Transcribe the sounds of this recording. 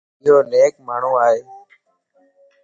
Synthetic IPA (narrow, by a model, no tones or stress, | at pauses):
d͡ʒoːneːkmaːɳ̤uːaːɦeː